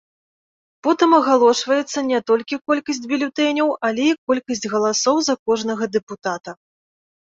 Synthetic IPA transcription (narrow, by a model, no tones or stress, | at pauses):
pɔt̪ɨmɐɣalˠɔʂvɐjɛt̪sːɐnʲɛt̪ɔlʲkʲikɔlʲkɐsʲt͡sʲbʲilʲut̪ɛnʲɐwɐlʲɛikɔlʲkɐsʲt͡sʲɣɐlˠasɔwzɐkɔʐnɐɣɐd̪ɛput̪at̪ɐ